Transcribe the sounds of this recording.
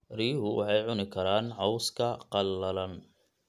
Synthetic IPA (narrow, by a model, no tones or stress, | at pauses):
riːɦʊwʔɑ̰ħɑjʕʊnɪkʰɐɾaːnʕɔwskʰɐqɑlːɐlɐn